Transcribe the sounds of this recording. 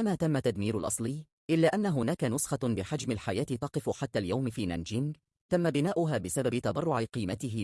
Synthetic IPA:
ʔamaːt̪amːat̪ːad̪miːɾʊ̰lʔɑ̰sˤlɨj | ʔɪlːaːʔanːaɦʊnaːkanʊsxɑbɪħad͡ʒmɪlħajaːt̪ɪt̪ɑqɨfʊħat̪ːaːljawmfiːna̰nd͡ʒɪnɡ | t̪amːabɪnaːʔʊɦaːbɪsababɪt̪ɑbɑrˤːʊʕɪqiːmat̪ɪɦɪ

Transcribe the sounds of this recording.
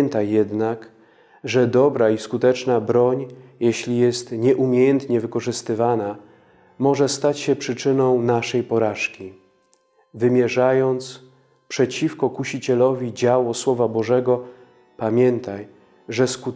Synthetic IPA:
nt̪ajːɛd̪nak | ʐɛd̪ɔbɾaiskut̪ɛt͡ʂnabɾɔɲjɛɕlʲijɛst̪ɲɛʔumʲjejɛnt̪ɲɛvɘkɔʐɘst̪ɘvana | mɔʐɛst̪at͡ɕɕɛpʂɘt͡ʂɘnɔ̃w̃naʂɛjpɔɾaʂkʲi | vɘmʲjɛʐajɔnt̪s | pʂɛt͡ɕifkɔkuɕit͡ɕɛlɔvʲid͡ʑawɔswɔvabɔʐɛɡɔ | pamʲjɛnt̪aj | ʐɛsku

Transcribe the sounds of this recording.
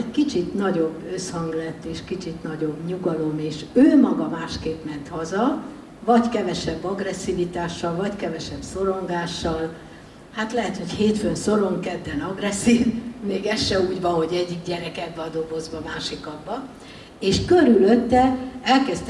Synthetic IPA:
ɛckit͡ʃit̪nɒɟo̞bːø̞shɒŋɡlɛt̪ːeːʃkit͡ʃit̪nɒɟo̞bɲuɡɒlo̞meːʃøːmɒɡɒmaːʃkeːpmɛnt̪hɒzɒ | vɒckɛvɛʃɛbːɒɡrɛsːivit̪aːʃːɒlvɒckɛvɛʃɛbso̞ɾo̞ŋɡaːʃːɒl | hat̪lɛɦɛt̪ho̞cheːt̪fønso̞ɾo̞ŋkkɛd̪ːɛnɒɡrɛsːiːvmeːɡɛʃːɛuːɟvɒɦo̞ɟɛɟːiɡ̚ɟɛɾɛkɛɡ̚bɛɒd̪o̞ɡo̞zbɒmaːʃikɒbbɒ | eːʃkøɾyløt̪ːɛɛlkɛst̪

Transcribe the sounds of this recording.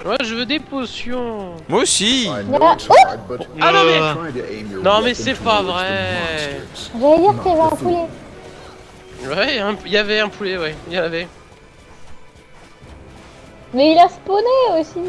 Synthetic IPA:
wɛʒəvød̪eposjɔ̃ | mwaosilaoanɔ̃mɛ | nɔ̃mɛsɛpavʁɛ | vajiʁt̪yavɛɛ̃pulɛ | wɛɛ̃ilavɛɛ̃pʰulɛwɛilavɛ | mɛilasponeosi

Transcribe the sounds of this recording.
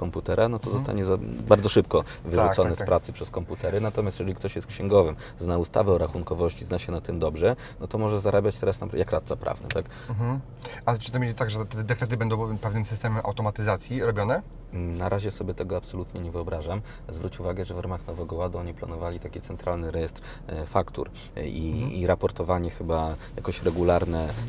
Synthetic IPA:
kɔmput̪ɛɾʔanɔt̪ɔzɔst̪a̰ɲɛzabaɾd̪zɔʂɘp̚kɔvɘʐuɔnɛspɾat̪sɘpʂɛskɔmput̪ɛɾɘnat̪ɔmʲjasjɛʐɛlʲikt̪ɔɕjɛst̪̚kɕɛŋɡɔvɘm | znaust̪a̰vɛɔɾaxunŋkɔvɔɕt͡ɕiznaɕɛnat̪ːɘmd̪ɔbʐɛ | nɔt̪ɔmɔʐɛzaɾabʲjat͡ɕt̪ɛɾasnajakɾat̪sapɾʔa̰vnɛ̰t̪ak | at͡ʂɨ̥t̪ɔmʲelʲit̪aɡʐɛt̪ɛd̪ɛkɾɛt̪̬ɘbɛnd̪ɔ̃w̃pɛvnɘmsɨst̪ɛmɛmʔa̰wt̪ɔmat̪ɘzat̪sʲjiɾɔbʲjɔnɛ | naɾʔaʑɛsɔbʲjɛt̪ɛɡɔapsɔlut̪ɲɛɲɛvɘɔbɾaʐam | zvɾut͡ɕuvaɡɛʐɛvɾamaxnɔvɛɡɔwad̪uɔɲipla̰nɔvalʲit̪akʲit̪sɛnt̪ɾalnɘɾɛjɛst̪ɾ | fakt̪ṵɾ | iiɾapɔɾt̪ɔvaɲɛxɘbaja̰kɔɕɾɛɡulaɾnɛ

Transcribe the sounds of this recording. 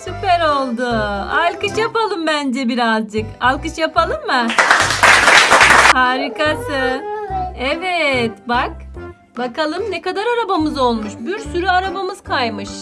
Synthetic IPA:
supɛɾo̞lˠd̪ʊalʲˠkɯʃjapalˠɯmbænd͡ʒɛbiɾazd͡ʒɯkalʲˠkɯt͡ʃjapʰalˠɯmːɯ | haːɾikasɯ | ɛvɛt̪bak̚ | bakalˠɯmnekad̪aɾaɾabamɯzo̞lˠmuʃbiɾsyɾyaɾabamɯz̥kʰajmɯʃ

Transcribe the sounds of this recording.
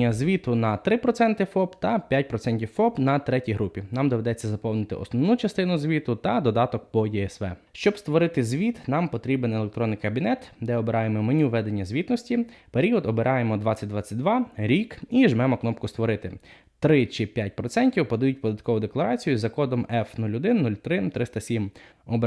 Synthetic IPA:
ɐzʲʋʲit̪ʊnɐt̪ɾɪpɾɔt̪sɛnt̪ɪfɔpt̪ɐpʲjat̚ʲpɾɔt̪sɛnʲtʲiwwfɔbnɐt̪ɾɛtʲijɦɾupʲinɑmd̪ɔʋe̞d̪ɛt͡sʲːɐzɐpɔwnɪt̪ɪ̰ʔɔ̰snɔʋnut͡ʃɐst̪ɪnʊzʲʋʲit̪ʊt̪ɐd̪ɔd̪ɑt̪ɔkpɔdʲijɛsʋɛ̰ʃt͡ʃɔbst̪ʋɔɾɪt̪ɪzʲʋʲit̪nɑmpɔt̪ɾʲibenelˠek̚t̪ɾɔnːɪjkɐbʲinɛt̪d̪ɛɔbeɾɑjemɔmɔnʲuʋɛd̪e̞nʲːɐzʲʋʲit̪nɔsʲtʲipeɾʲiɔd̪ɔbeɾʔɑjemɔd̪ʋɑt͡sʲːɐt̚ʲd̪ʋɑt͡sʲːɐt̚ʲd̪ʋɑɾʲikiʒmɛmɔknɔpkʊst̪ʋɔɾɪt̪ɪ | t̪ɾɪt͡ʃɪpʲjat̚ʲpɾɔt̪sɛnʲtʲiwpɔd̪ɐjut̚ʲpɔd̪ɐt̪̚kɔʋʊd̪eklˠɐɾɑt͡sʲijʊzɐkɔd̪ɔmɛfnulʲʊd̪ɪnnːulʲt̪ɾɪnt̪ɾʔɪst̪ɐsʲim | ɔb

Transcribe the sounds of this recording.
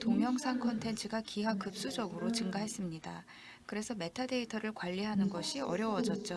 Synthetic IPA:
tomjʌŋsʰaŋkʰʌntʰe̞nt͡ɕʰɯɡakiɦakɯp̚s͈ud͡ʑʌɡɯɾot͡ɕɯŋɡaɦe̞s͈ɯmɲida | kɯɾe̞sʰʌme̞tʰade̞itʰʌɾɯɭkwaʎːiɦanɯnɡʌɕʰiʌɾjʌwʌd͡ʑʌt̚t͡ɕ͈o

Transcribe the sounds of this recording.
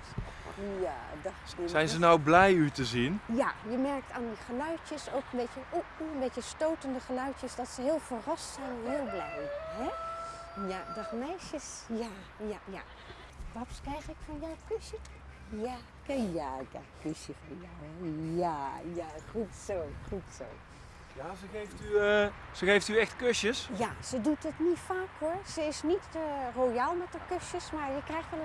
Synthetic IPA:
jadɑxsɛjnzənawblɛjytəzinjajəmɛɹk̚taːndiχəlœɥtjəsokəmbɛtjəʔuunbɛtəstoːtəndəχəlœɥtjəsdɔtsəɦɪːlˠfərɑstsɛjnɦɪːəlˠblɛjɦɛ | jadɑχmɛjsjəsja | jaja̰ | ʋɔpskrɛjxɪkfɔnjawkøsjə | ja | kjaɡa̰køsjəfɔjɔwɛjajaχutsowxutso̰ː | jazəɣejftysəɣejftyɛxtkøsjəsjasədutətnitfaːkhoɹsəɪsnitrojalˠmɛtəkøsjəsmaɹjəkrɛjxtɛl

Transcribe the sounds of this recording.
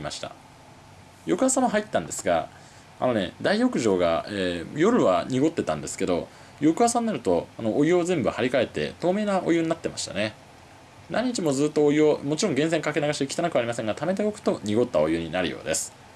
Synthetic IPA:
ima̰ɕi̥t̪a̰ | jo̞kɯ̟asãːoɦait̪ːãnd̪e̞sɨɡa̰ | a̰no̞ne̞̰d̪aijo̞kɯ̟ʑo̞ːɡa̰eːjo̞ɾɯ̟βaɲ̟iɡo̞t̪ːe̞t̪ã̰nd̪e̞sɨ̥ke̞d̪o̞ | jo̞kɯ̟ɦasãnːnaɾɯ̟t̪o̞anoʔːjɯ̟ozẽmbɯ̟haɾʲikae̞t̪ːe̞̰t̪o̞ːme̞ːnaʔo̞̰jɯ̟ɲinat̪ːe̞maɕi̥t̪a̰ne̞ | nʔa̰ɲ̟ːit͡ɕimo̞zɨːt̪ːoojɯomo̞t͡ɕiɾõŋɡẽ̞s̬e̞ŋkake̞naɡaɕi̥t̪ekʲt̪anakɯ̟aːɾʲimasẽ̞ŋɡat̪ame̞d̪e̞o̞kɯ̟̥t̪o̞ɲ̟iɡo̞t̪ːaojɯ̟ɲ̟inaɾɯ̰jo̞̰ːd̪e̞sɨ̥

